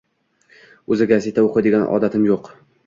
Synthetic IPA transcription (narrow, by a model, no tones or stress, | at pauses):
ɵzɪɡʲaset̪ʰaoqʰɨd̪ɪɡʲanʔɒ̰d̪at̪ʰɪmjoq